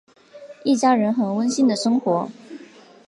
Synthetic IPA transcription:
i˥˩t͡ɕja˥ɻə˧˥nxə˨˩nwə˥nɕi˥nd̪ə˨ʂɤ˥ŋxwɔ˧˥

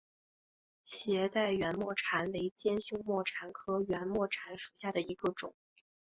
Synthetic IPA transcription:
ɕjɛ˧˥t̪a˥˩ɪɥɛ˧˥nmwɔ˥˩ʈ͡ʂʰa˧˥nwe˧˥ɪt͡ɕjɛ˥nɕʊ˥ŋmwɔ˥˩ʈ͡ʂʰa˧˥nkʰɤ˥ɥɛ˧˥nmwɔ˥˩ʈ͡ʂʰa˧˥nʂu̥˨˩ɕja˥˩d̪ə˩i˧˥ɡə˧ʈ͡ʂʊ̰˨˩˦ŋ

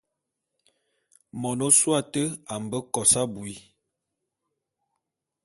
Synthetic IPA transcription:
mɔ˨no˦swa˦˨tə˦a˨m˨bə˦kɔ˨sa˦bu˨i˦

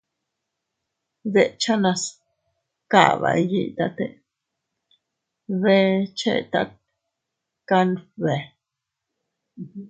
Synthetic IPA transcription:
d̪e˧˨ʔt͡ʃa˦nã˧s | ka̰˦˨βa̰˨˧ji˦˧t̪a˧t̪e˧˨ | βe˦t͡ʃḛ˦˨t̪a˦k̚ | ka˦nbe˨

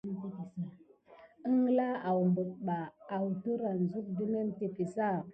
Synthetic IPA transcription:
ə˦ŋ˦la˦a˨wmbə˨k̚ɓaː˨wtu˦ɾa˨n˨zu˦k̚di˦me˦mte˨pi˨sa˦˨

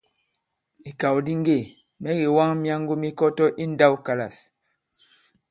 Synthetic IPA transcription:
i˨ka˨wdi˦ŋ˦ɡe˦˨ | mɛ˦ɡi˨wa˦ŋmja˦ŋ˦ɡo˦mi˦kɔ˦tɔ˦ʔi˦n˦da˦wka˨la̰˨s

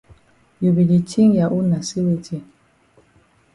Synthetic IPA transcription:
ju˨bi˨li˨tʰi˦ŋja˨ʔu˦na˨si˦li˦ti˦˨

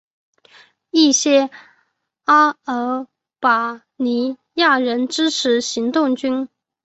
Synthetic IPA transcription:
i˥˩ɕjɛ˥ | a˥ə˧˥ | pa˨˩ | ni˧˥ | ja˥˩ɻə˧˥nʈ͡ʂɻ̩˥ʈ͡ʂʰɻ̩˧˥ɕi˧˥ŋt̪ʊ˥˩ŋt͡ɕy˥n

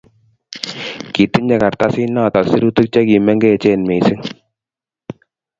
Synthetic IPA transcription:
ki˨t̪i˦ɲɛ˨ka˨ɾt̪a˦si˦nːa˦˨t̪a˨si˦ɾu˦t̪u˦k̚t͡ʃa˦ki˨mɛ˦ŋɡɛ˦˨t͡ʃɛ˦˨nme˨si˦ŋ

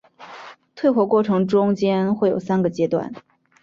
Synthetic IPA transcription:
t̪ʰwe˥˧ɪxwɔ˥˩kwɔ˥˩ʈ͡ʂʰɤ˧˥ŋʈ͡ʂʊ˥ŋt͡ɕjɛ˥nxwe˥˩ɪjo˨˩ʊsa˥nɡə˨t͡ɕjɛ˥t̪wa̰˥˩n

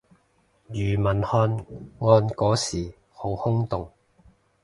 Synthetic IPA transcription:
jyː˨˩mɐ˨˩nhɔː˧nŋɔː˧nkɔː˨˥siː˨˩ | ho˨˧˥whʊ˥ŋt̪ʊ˨ŋ

